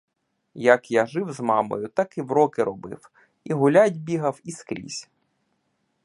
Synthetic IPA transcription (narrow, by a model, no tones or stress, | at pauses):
jɐkjaʒɪwzmɑmɔ̰jʊt̪ɑkɪwɾɔkɪɾɔbɪ̰w | iɦʊlʲadʲbʲiɦɐwiskɾʲḭsʲ